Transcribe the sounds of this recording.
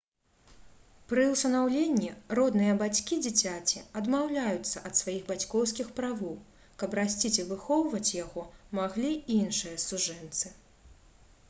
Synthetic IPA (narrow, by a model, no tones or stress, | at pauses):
pɾɨust̪ɐnawlʲenʲːirɔd̪nɨjɐbat͡sʲkʲid͡zʲit͡sʲat͡sʲiɐd̪mawlʲajut̪sːɐʔɐt̪svajiɣbat͡sʲkɔwskʲixpɾavɔw | kɐpɾasʲt͡sʲit͡sʲivɨxɔwvɐt͡sʲjaɣɔmaɣlʲiinʂɨjɐsuʐɛnt̪sɨ